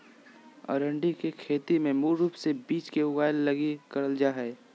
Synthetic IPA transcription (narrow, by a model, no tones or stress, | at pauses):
ɔ̰ːɾəɳɖikekʰeːt̪imẽmuːɾuːpsebiːt͡ʃkeʊɡaːjlːɐɡikɐɾəld͡ʒaɦɛː